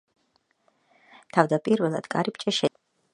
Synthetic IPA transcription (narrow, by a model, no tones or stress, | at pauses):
t̪ʰavd̪apʼiɾvɛlˠa̰d̪̥kʼaɾipt͡ʃʼɛʃɛ